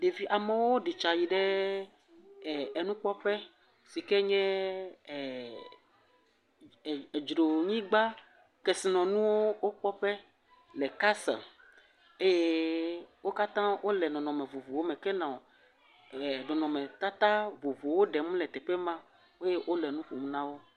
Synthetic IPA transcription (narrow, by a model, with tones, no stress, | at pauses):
ɖe˨vi˦ʔa˨me˨wo˦o˦ɖi˨t͡ʃa˨ji˨ɖɛ˦˨ | ɛ˨nũ˦k͡pɔ˦ɸɛ˦ | si˨kɛ˦ɲɛ̃˦˨ | d͡ʒɾo˨ɲĩ˦ɡ͡ba˦ | kɛ˨si˨nɔ̃˨nũ˦wo˦wo˦k͡pɔ˦ɸɛ˦ | lɛ˨ka˦sã̰˨ | e˦je˦ | wo˦ka˦t̪ã˦wo˦lɛ˨nɔ̃˨nɔ̃˨mẽ˨vu˨vu˨wo˦mɛ̃˨kɛ˦nã˨o˨ | e˨nɔ̃˨nɔ̃˨mẽ˨t̪a˦t̪a˦vo˨vu˨wo˦ɖɛ˨mũ˦lɛ˨t̪ɛ˨ɸɛ˦mã˦ | o˦je˦ʔo˦lɛ˨nũ˦ɸu˨mũ˦nã˦wo˦